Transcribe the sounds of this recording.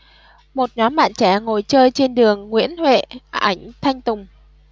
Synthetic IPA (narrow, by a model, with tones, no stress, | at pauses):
mo˨˩t̚ɲɔ˨˦mɓa̰ː˧˨nt͡ɕɛ˧˩ŋo˨˩jt͡ɕəː˧jt͡ɕe˧nɗɨ˨˩əŋːwḭ˧˥ənhwḛ˧˨a˨˧˩jŋ̟t̪ʰa˧jŋ̟t̪ʊ˨˩ŋ͡m